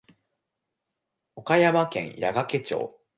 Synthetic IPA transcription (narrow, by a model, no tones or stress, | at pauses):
o̞kajamakẽ̞̰ɰja̰ɡake̞t͡ɕo̞̰ː